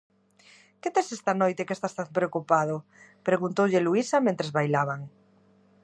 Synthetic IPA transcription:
ket̪esest̪anojt̪ekest̪ast̪anpɾeokupaðʊpɾeɣunt̪owʎeluisamẽnt̪ɾezβajlaβaŋ

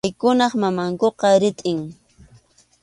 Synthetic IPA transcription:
jkʊnɑχmamaŋkoqɑɾɪt̪ʼɪŋ

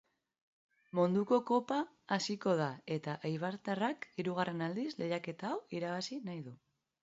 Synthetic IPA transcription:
mond̪uko̞ko̞paː | siko̞ð̞ae̞t̪aʔajβaɾt̪arakiɾuɣ̞are̞nald̪isle̞jake̞t̪aːwiɾaβasinajðu

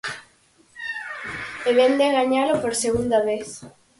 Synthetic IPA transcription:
eβend̪eɣaɲalopoɾseɣund̪aβeθ

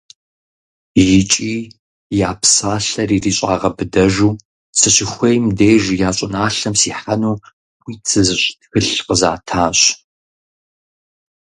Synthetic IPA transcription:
jɪt͡ʃʼiː | jaːpsaːɬɐriːriːɕʼa̰ːʁɐbɨdɐʒuː | sɨɕixʷejmdeːʒjaːɕʼɪnaːɬɐmsiːħanuː | wiːt͡sʰɨzɨɕʼxɨɬqəzaːtʰaːɕʼ

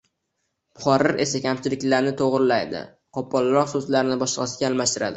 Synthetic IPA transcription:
pʊ̥χɒɾɪɾʔe̞sakʲʰamt͡ʃʰɪlɪkʲlaɾnɪt̪ʰoʁɾɪlajd̪ɪ̰ | qʰɒpːɒlˠɾɒqsozlaɾɪnɪbɒʃlɨʁɑsɪɡʲaːlˠmaʃt̪ɪɾa̰d̪ɪ

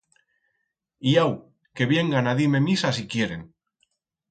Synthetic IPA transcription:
iaw | ke̞βje̞ŋɡanaðime̞misas̬ikjeɾe̞̰ŋ

